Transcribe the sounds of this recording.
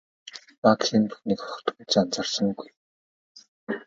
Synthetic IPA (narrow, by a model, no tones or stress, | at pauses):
paksint̪ʰuxniːkχɔ̥χ̆t̪ut͡ɕant͡sarsə̆ŋɡuj